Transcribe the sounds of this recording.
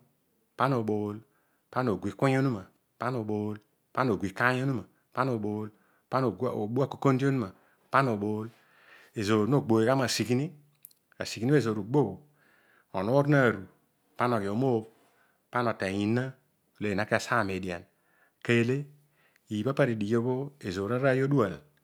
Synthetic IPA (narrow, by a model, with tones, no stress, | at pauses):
pa˦n˦o˨ɓo˨˦l | pa˦n˦o˨ɡʷi˨ku˦ɲ˦o˦nu˦ma˨ | pa˦n˦o˨ɓo˨˦l | pa˦no˨i˨ka˦jo˦nu˦ma˨ | pa˦n˦o˨ɓo˨˦l | pa˦no˨˦˨o˨ɓu˦a˦˨ko̥˨ko˦n˦di˦o˦nu˦ma˨ | pa˦no˨ɓo˨˦l | e˨zo˨no˦˨ɡ͡bo˨e˨ka˦ma˨si˨ki˦ni˦ | a̰˨si˨ki˨ni˦e˦˨zo˨ɾu˨ɡ͡bo˦o˨ | o˨no˦ɾna˦˨ɾu˨ | pa˦n˨o˨ki˨o˨mo˦b | pa˦no˨te˨ji˨na˦ | o˨le˦˨a˨˦ke˦a˨sa˦˨me˨di˨a̰˨n | ke˦˨le˦ | i˨i˨pa˦pa˦ɾi˨di˨jo˦bo˦e˨zo˨ɾa˦ɾa˦˨jo˦du˦a˨l